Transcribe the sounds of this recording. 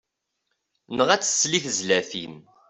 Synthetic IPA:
nəʁæt͡sːə̥sːliθzlæfim

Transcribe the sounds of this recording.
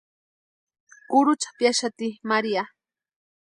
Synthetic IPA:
kʊɾʊt͡ʃḁpjaʃat̪imaɾia

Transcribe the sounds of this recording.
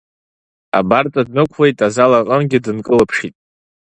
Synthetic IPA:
a̰bart͡sʼadnɨkʷʰwe̞jtʼazalaqʼənɡʲɪdɨnkʼɨlɨpʰʂitʼ

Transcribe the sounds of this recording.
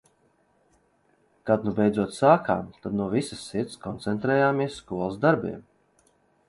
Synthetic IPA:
kad̪nubɛjd̪zuɔt̪saːkʰa̰ːmt̪ad̪nuɔvisə̥sːiɾt̪skʰɔnt̪sɛnt̪ɾɛːjaːmiɛssːkuɔlˠsd̪aɾbḭɛm

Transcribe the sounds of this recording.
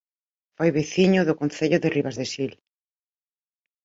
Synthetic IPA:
fojβeθiɲʊðʊkõnθeʎʊðeriβazðesil

